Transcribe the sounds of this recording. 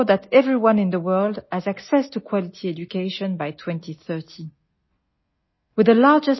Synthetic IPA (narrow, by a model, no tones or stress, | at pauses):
ðætʰɛvɹiwʌ̃nɪ̃nðəwɜ˞lˠdɨzæksɛstʰukʰw̥ɑlitʰiɛd͡ʒukeɪʃɔ̃nbajtʰw̥ɛ̃ntʰiθɜ˞tʰi | wɨðəlaɹd͡ʒɨs